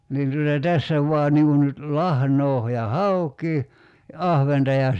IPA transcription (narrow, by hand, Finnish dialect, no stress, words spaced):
niːn tutɑ tæsːæ ʋuɑ niŋ kun nyt lɑhnoː jɑ hɑukˑiː jɑ ɑhʋentɑ jɑ